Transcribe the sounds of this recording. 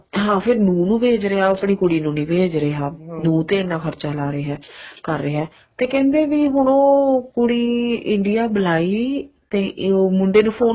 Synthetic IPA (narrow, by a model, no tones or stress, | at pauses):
ɦãːpʰɪɾnũːnũːbeːd͡ʒɾeːaːəpɳiːkʊɽiːnũːnĩːbeːd͡ʒɾeːaːnũːt̪eːɪnːãːkʰəɾt͡ʃaːlaːɾeːɦɛːkəɾːeːɦɛː | t̪eːkɛ̃ːnd̪eːʋiːɦʊɽ̃õːkʊɽiːɪɳɖɪjaːbəlaːiːt̪eːmʊɳɖeːnũːpʰoː